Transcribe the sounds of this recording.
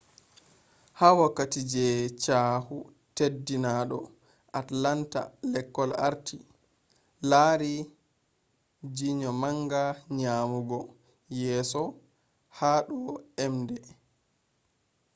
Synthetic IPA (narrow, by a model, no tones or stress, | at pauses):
haːwakːatid͡ʒɛt͡ʃaːhu | tedːinaɗɔ̰ | ʔatlanta̰lɛkːɔla̰ɾtʰi | laːɾi | d͡ʒiɲɔmaŋɡaɲaːmuɡɔ | jɛːsɔ | haɗɔɛmdɛ